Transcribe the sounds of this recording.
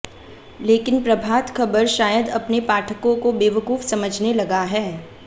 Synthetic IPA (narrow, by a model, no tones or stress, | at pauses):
leːkɪnpɾɐbʱaːt̪kʰɐbəɾʃaːjəd̪ɐpnepaːʈʰəkõkobeːʋəkuːfsɐməd͡ʒʱnelɐɡaɦɛː